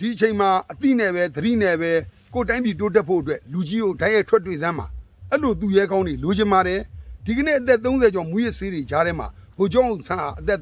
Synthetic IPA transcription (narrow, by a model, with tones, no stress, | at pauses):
d̥i˨ʔət͡ɕʰẽ˨ɪ̃ma˨ʔət̪ḭ˦˨nɛ˦˨bɛ˦d̪əɾḭ˦˨nɛ˦˨bɛ˦ | ko˦˨t̬ã˦ɪ̃mpji˨to˦t̬ɛ˦˨pʰo̰˦˨ət̬wɛ˦lu˨d͡ʑi˦ɡo˨dã˦ja˦˨tʰwɛ˦˨tːwe˦˨zã˦m̥a̰˨ | ʔɛ˦tlo˨t̪̬u˨jɛ˦ɡã˦ʊ̃ndwe˨lo˨d͡ʑɪ̃˨mba˨ɾɛ˨d̥i˨ɡə˨nḛ˦˨ʔət̪ɛ˦˨t̪̬õ˦ʊ̃nzɛ˨d͡ʑɔ˨mu˦jɪ˦ʔse˦de˨d͡ʑa˦ɾɛ˦m̥a̰˨bo˨d͡ʑɔ̃˦˨ʔõ˨sʰã˦˨ʔa̰˨ʔət̪ɛ˦ʔ